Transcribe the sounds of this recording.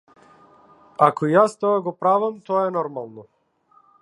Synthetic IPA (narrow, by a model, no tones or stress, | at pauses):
akɔijast̪ɔaɡɔpɾavamt̪ɔaɛnɔɾmalˠnɔ